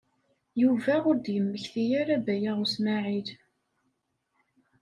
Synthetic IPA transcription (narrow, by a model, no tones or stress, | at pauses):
juvæʊɾd̪jəmːəçθijaɾæbæjaʁusnaʕið